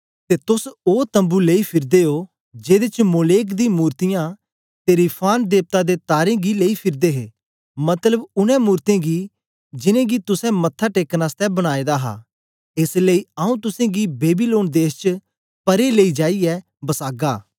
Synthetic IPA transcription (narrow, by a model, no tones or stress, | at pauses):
t̪et̪ʊsoːt̪ə̃mbuleipʰɪɾd̪eɦo | d͡ʒeːd̪et͡ʃmoːleːkd̪ĩmuːɾt̪ɪjã | t̪eɾipʰaːnd̪eːp̚t̪ad̪et̪aːɾẽɡileipʰɪɾd̪eɦeː | mɐt̪ləbʊnɛ̃muːɾt̪ẽɡi | d͡ʒɪnẽːɡit̪ʊsɛ̃mɐt̪ʰːaʈeːknast̪ɛbəɽ̃aːed̪aɦa̰ː | ɪsləiaːũt̪ʊsẽɡibeːbiloːnd̪eːst͡ʃə | pɐɾeleid͡ʒaːiɛ | bɐsaːɡaː